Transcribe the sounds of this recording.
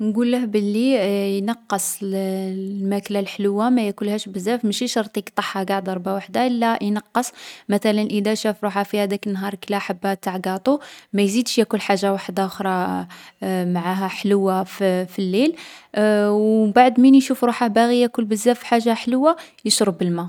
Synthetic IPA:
nɡulːəhbəlːijnɑqːəsˤ | lmæklalħləwːamæjækʊlhæʃbəzːæfməʃiʃɑɾˤt̪ˤikt̪ˤɑħhaɡaʕd̪ɑɾˤbʕawaħd̪aʔəlːæjnɑqːəsˤmæt̪ælənʔəd̪æʃæfɾuħafihæd̪ækənːɦɑɾˤkəlæħabːæt̪aʕɡɑt̪ˤumæjzid̪ʃjækʊlħaʒːawaħd̪aʊxɾˤɑ | maʕaɦæħləwːaffilːil | wbaʕd̪minjʃufɾuħahbæɣijækʊlbəzːæfħaʒːaħləwːajəʃɾəbəlmæ

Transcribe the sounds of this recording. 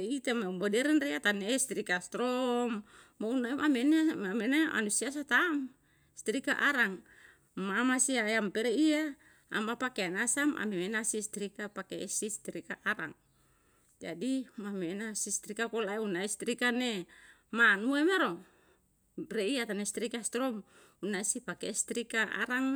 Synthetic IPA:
it̪emaumbodɛɾɛnreat̪anest̪ɾikast̪ɾɔmː | ounaeʔamenemamenaʔa̰nusias̬at̪am | st̪ɾika̰ʔaɾaŋ | mamasiajampeɾeia̰ː | mapakeanasamʔa̰memenasist̪ɾikapakesist̪ɾikaʔaɾa̰ŋ | d͡ʒa̰dimamenasist̪ɾikakolaeunaist̪ɾikane | manuemaɾo | reiat̪anest̪ɾikast̪ɾɔm | unaisipakest̪ɾikaʔa̰ɾaŋ

